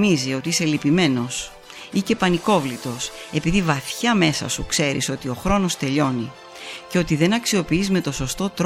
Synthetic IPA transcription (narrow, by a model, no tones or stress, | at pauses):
nizio̞t̪iiselipime̞no̞s | ice̞pɐniko̞vlit̪o̞se̞piðivɐθçɐme̞sɐ̰sukse̞ɾḭso̞t̪io̞xɾo̞no̞st̪e̞ʎo̞ni | ceo̞t̪iðe̞nɐksio̞piizme̞t̪o̞so̞st̪o̞t̪ɾ